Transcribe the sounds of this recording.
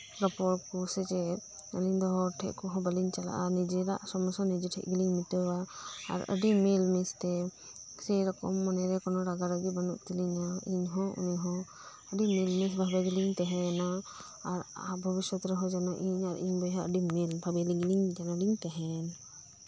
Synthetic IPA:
ɾɔpɔɾkusɛt͡ʃɛəliɲd̪ɔɦɔʈʰɛ̰ʔkɔɦɔ̃bəliɲt͡ʃala̰ʔanid͡ʒɛɾa̰ʔsɔmɔsɔnid͡ʒiʈʰɛ̰ʔɡliŋmit̪ɔwaa̰ɾə̰ɖimilmist̪ɛ | sɛjɾɔkɔ̰mːɔnɛɾɛkɔnɔɾaɡaɾaɡibənuʔt̪iliɲaiɲɦɔ̃ṵniɦɔ̃ | əɖimilmisbʱabɛɡiliŋt̪ɛɦɛana | aɾabʱəbiswɔt̪ɾɔɦɔ̃d͡ʒanɔʔiɲaɾiɲbɔɦaʔəɖimilbʱabɛliɡliŋd͡ʒanɔliŋt̪ɛɦɛn

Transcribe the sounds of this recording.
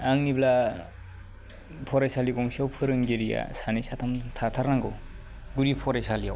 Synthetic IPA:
aŋnibla | pʰɔɾajsaliɡɔŋsiawpʰɯɾɯŋɡiɾija̰sanisatʰamtʰatʰaɾnaŋɡɯw | ɡuɾipʰɔɾajsalijaw

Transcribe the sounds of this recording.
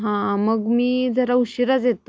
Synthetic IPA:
ɦãməɡmiːd͡zʱəɾauɕiɾad͡zet̪

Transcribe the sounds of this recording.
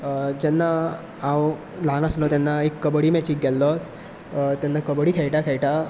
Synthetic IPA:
d͡ʑɛnːa | ãw | lanəslɔt̪ɛnːaekːəbəɽiːmɛt͡ɕiːk̚ɡɛlːɔ | t̪jɛnːakəbɽiːkʰɛɭʈakʰɛɭʈa

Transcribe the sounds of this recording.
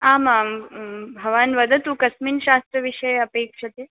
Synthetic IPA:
aːmambʱɐʋaːnʋɐd̪ʱɐt̪uːkɐsmiːnʃaːst̪ɾəʋiʂɐjɐpeːkʃɐt̪e

